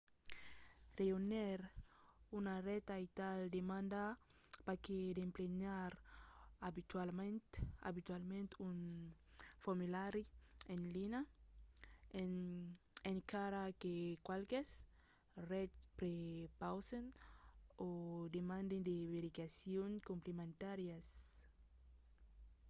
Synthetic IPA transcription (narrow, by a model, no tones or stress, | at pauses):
reonɛɾunarɛt̪ait̪ald̪emãnd̪a | paked̪empleɲaɾabit̪walmenta̰βit̪walmẽnt̪un | fomilaɾienlina | en | eŋkaɾakekwalkes | rɛtpɾepawsen | od̪emãnd̪ind̪eβeɾikasjoŋkumplemẽnt̪aɾjas